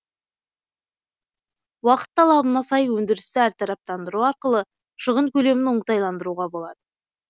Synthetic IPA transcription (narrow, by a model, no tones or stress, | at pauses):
wɑqə̥t̪ːɑlˠɑbənɑsɑjwɵnd̪ɪɾɪst̪ɪæɾt̪ʰɑɾɑp̚t̪ɑnd̪əɾuɑɾqəlˠə | ʃəʁənkʲʰɵle̞mɪnoɴət̪ɑjlˠɑnd̪əɾuʁɑbo̞lˠɑd̪̥ə